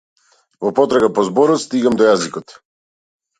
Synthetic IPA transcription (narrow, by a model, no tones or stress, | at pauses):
vɔpɔt̪ɾaɡapɔzbɔɾɔt̪st̪iɡamd̪ɔjazikɔt̪